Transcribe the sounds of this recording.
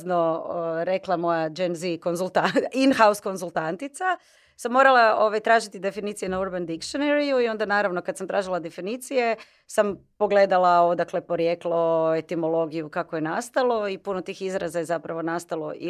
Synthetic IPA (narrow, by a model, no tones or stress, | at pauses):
zno̞ɾe̞klˠamo̞jad͡ʒenziko̞nzulˠt̪ainxausko̞nzulˠt̪ant̪it̪sa | samːo̞ɾalao̞ʋajt̪ɾaːʒit̪id̪e̞finit̪sijenauɾband̪ikʃoneɾijuio̞nd̪anaːɾaʋno̞kad̪samt̪ɾaːʒilˠad̪e̞finit̪sije̞ | sampo̞ɡle̞d̪alˠao̞d̪akle̞po̞ɾje̞klˠoe̞t̪imo̞lˠo̞ɡijukakoje̞nast̪alˠo̞ipunot̪iːxizɾazaje̞zapɾaʋo̞nast̪alˠo̞ḭ